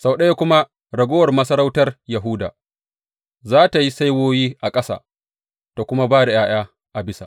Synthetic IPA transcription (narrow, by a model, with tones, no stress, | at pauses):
sa˨wɗɐ˦je˦kʷʊ˦ma˦ | ɽɐ˨ɡʷoː˦wɐ˨rmɐ˦sɐ˦ɾa˦wtɐ˦rjɐ˨ɦuː˦da̰ː˨ | zaː˦ta˨ji˦sa˦jwoː˦jiː˦ʔa˨kʼɐ˦sa̰˨ | to˨kʷʊ˦ma˦baː˦da˨jaː˦j̰aː˦ | ʔa˨bɪ˦sa̰˨ʔ